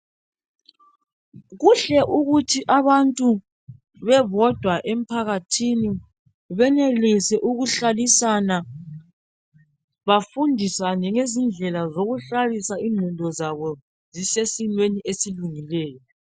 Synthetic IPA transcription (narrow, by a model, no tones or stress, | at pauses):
ɣuɬɛʔuɣutʰiʔaβantʼu | βɛβɔd̥ʱwaʔem̩pʰaɣatʰini | βɛnelisɛʔuɣuɬalisana | βafundʱisanɛŋezind͡ɮʱɛlazoɣuɬalisaiŋŋ͡ǃʱundʱɔzaβɔ | zisesinweniʔesiluŋilɛːjɔ